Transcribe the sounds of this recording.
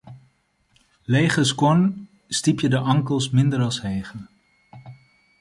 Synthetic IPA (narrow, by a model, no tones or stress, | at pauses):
lejχəskwɔn | stipjədəʔɑŋkəlˠsmɪndəɾɑlˠshejχən